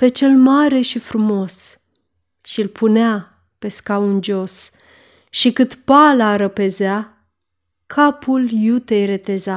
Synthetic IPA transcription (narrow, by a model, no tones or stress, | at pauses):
pe̞t͡ʃe̞lmaɾe̞ʃifɾumo̞s | ʃilpʰunea | pe̞skaund͡ʒo̞s | ʃikɨt̪palaɾəpe̞zea | kʰapʰuljut̪ejɾe̞t̪e̞za